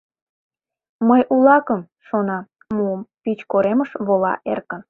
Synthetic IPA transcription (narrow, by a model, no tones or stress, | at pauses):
məjʔulɑkəm | ʃonɑ | muəmpit͡ɕkoɾeməʃβolɑ̰ʔerkə̆n